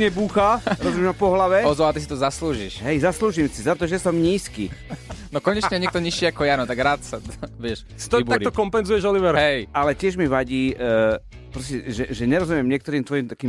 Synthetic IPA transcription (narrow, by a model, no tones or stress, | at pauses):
ɲɛbuːxaɾɔzumʲɛmafpɔɦlaʋɛɔzɔat̪is̬it̪ɔzasluːʒiʃɦɛjzasluːʒimsizat̪ɔʒɛsɔmɲiːskḭːnɔkɔɲɛt͡ʃɲɛɲɛkt̪ɔɲiʃiakɔjanɔt̪aɡɾat̪saʋɪɛʃ | si̥t̪ɔb̪akt̪ɔkɔmpɛnzujɛʒɔliʋɛɾɦɛjalɛcɪɛʒmiʋaɟiː | pɾɔscɛʒɛʒɛɲɛɾɔzumɪɛmɲɪɛkt̪ɔɾiːmt̪ʋɔjimt̪akiːm